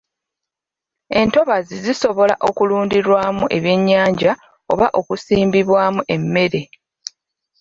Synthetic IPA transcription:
e̞nto̞βaziziso̞βo̞la̰ʔo̞kuluːndiɾwaːmuʔe̞βje̞ɲːaːɲɟa | o̞̰βaʔo̞kusiːmbiβwaːmuʔe̞mːe̞ɾe̞

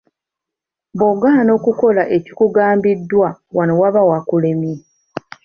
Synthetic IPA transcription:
boɡano̞ːkuko̞laʔe̞cikuɡaːmbidːwawanowaβawakulemi

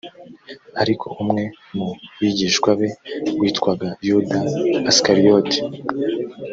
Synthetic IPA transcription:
aɾikʰo̞̰ʔumŋe̞ | muβiɟiːʃkwaβe̞ɡwiːtkwaɡajudaːskaɾijoti̥

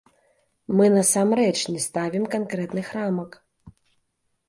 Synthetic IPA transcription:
mɨnɐsamɾɛt͡ʂnʲɛst̪avʲimkankɾɛt̪nɨxɾamɐk

